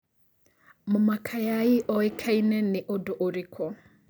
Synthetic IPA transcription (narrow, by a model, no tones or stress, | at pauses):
mʊmakʰajaiʔɔikʰainɛnɪʔɔdɔʔoɾikʰɔ